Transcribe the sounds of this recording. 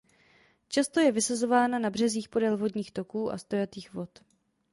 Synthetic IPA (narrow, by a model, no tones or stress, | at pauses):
t͡ʃast̪o̞jɛvɪsazo̞vaːnanabr̝ɛziːxpo̞dɛlvo̞dɲiːxt̪o̞kuːʔa̰st̪o̞jat̪iːxvo̞t̪